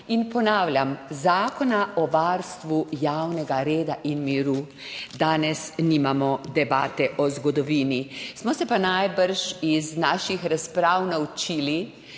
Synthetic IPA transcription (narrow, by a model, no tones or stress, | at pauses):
inpɔnaːwlʲamzaːkɔnaɔʋaɾst̪ʋujawnɛɡaɾeːd̪aʔinmiɾu | d̪aːnɛsnimamɔd̪ɛbaːt̪ɛʔɔzɡɔd̪ɔʋiːnismɔsɛpanajbəɾʃiznaːʃixɾaspɾaːwnawt͡ʃiːli